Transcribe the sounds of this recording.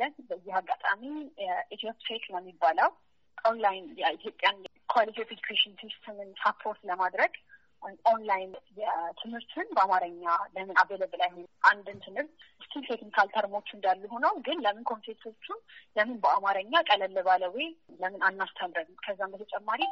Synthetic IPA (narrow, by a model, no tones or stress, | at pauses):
lənbəjːɪhaɡːat̪ʼamiʔit̪ʰjopʲʼset̪nəmːibːaləwʼ | onlajnjɛit̪ʰjo̞pʼjan | kʰwalit̪ʰifed͡ʒukʰeʃɪnsist̪ʰɨmɨnapʰːo̞ɾt̪ləmad̪ɾəɡ | ʔo̞nlajnjɛt̪ʰɨmhɨɾt̪ʰɨnbəamaɾəɲːaləmɨnabələbɨlajheʔand̪ɨnt̪ʰɨmhɨɾt̪st̪ʰilt̪ʰeknikʰalt̪ʰəɾmo̞t͡ʃːɨnd̪alːuɦo̞nəwɡɨnləmɨnkʰo̞np̪ʰet̪ʰo̞t͡ʃːunləmɨnbəamaɾəɲːakʼələlːəβaləweləmɨnanːast̪ʰad̪ɾəɡkʰəzːambət̪ʰət͡ʃʼɛmːaɾi